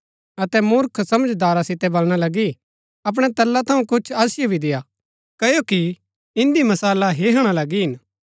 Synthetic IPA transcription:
ɐt̪ɛmʊɾkʰsɐməd͡ʒd̪aːɾasɪt̪ɛbɐlɽ̃alɐɡi | ɐp̬ɽ̃ɛt̪ɐlːat̪ʰɐũkʊt͡ʃʰaːsɪjobʱid̪ɪja | kɐjoki | ɪ̃nd̪imɐsaːlaɦeɦəɽ̃alɐɡiɦɪn

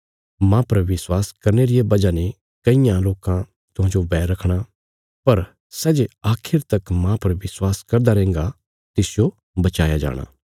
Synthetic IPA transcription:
mãpɐɾʋɪswaːskɐɾneɾɪjebɐd͡ʒane | kɐɪjãloːkã | t̪ʊɦãːd͡ʒobɛːɾɐkʰɽ̃a | pɐɾ | sɛːd͡ʒeaːkʰɪɾt̪ɐkmãpɐɾʋɪswaːskɐɾd̪aɾɛ̃ːŋɡa | t̪ɪsɪjo | bɐt͡ʃaːjad͡ʒa̰ːɽ̃a̰ː

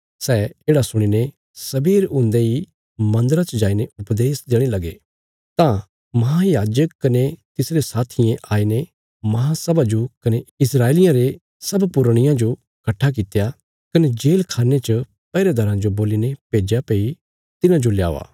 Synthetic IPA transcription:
sɛːeːɽasʊɽ̃ine | sɐbiːɾʊ̃nd̪ei | mɐ̃nd̪əɾat͡ʃd͡ʒaːineʊpd̪eːsd̪eːɽ̃elɐɡe | t̪ã | mɐɦãjaːd͡ʒəkkːɐnet̪ɪsɾesaːt̪ʰɪjẽʔaːine | mɐɦãsɐbad͡ʒokɐneɪsɾaːelɪjãɾe | sɐbpʊɾɽ̃ɪjãd͡ʒo | kɐʈʰːak̬ɪt̪eja | kɐned͡ʒeːlkʰaːnet͡ʃɐ | pɛːɾed̪ʱɐɾãd͡ʒoboːlinepeːd͡ʒjapeːi | t̪ɪnãd͡ʒolja̰ːa̰ː

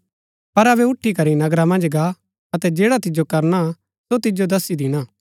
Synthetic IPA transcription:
pɐɾɐβɛʊʈʰːikɐɾinɐɡɾamɐ̃nd͡ʒɡa | ɐt̪ɛd͡ʒeːɽat̪ɪd͡ʒokɐɾna | sot̪ɪd͡ʒod̪ɐsid̪ɪɽ̃aː

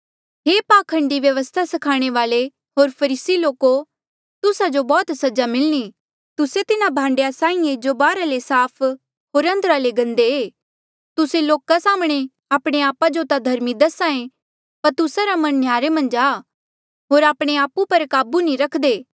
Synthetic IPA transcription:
ɦeːpaːkʰɐ̃ɳɖiʋjɐʋəst̪ʰasɐkʰaːɽ̃eʋaːle | ɦoːɾpʰɐɾiːsiloːko | t̪ʊsad͡ʒobɔːt̪sɐd͡ʒamɪlñi | t̪ʊset̪ɪnabʱãːɳɖjasãːĩẽd͡ʒobaːɾalesaːpʰ | ɦoːɾɐ̃nd̪ɾaleɡɐ̃nd̪eeː | t̪ʊseloːkasaːmɽ̃e | aːpɽ̃eaːpad͡ʒot̪ad̪ʱɐɾmid̪ɐsaːẽ | pɐɾt̪ʊsaɾamɐ̃nːjaːɾemɐ̃nd͡ʒaː | ɦoːɾaːpɽ̃eaːpupɐɾkaːbunĩɾɐkʰd̪eː

